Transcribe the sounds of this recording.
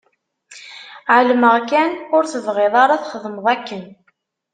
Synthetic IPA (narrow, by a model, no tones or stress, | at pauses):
ʕəlməʁkænʊɾθəvʁeðˤɑɾˤɑθχəðˤməðˤækːən